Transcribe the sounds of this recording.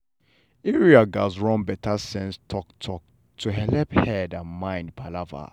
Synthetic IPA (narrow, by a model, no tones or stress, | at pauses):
ɛɹiaɡazɹɔ̃nbɛtʰasɛ̃nstʰɔktʰɔk̚ | tʰuɦɛlɛphɛdãnmãɪ̃nd̚pʰalava̰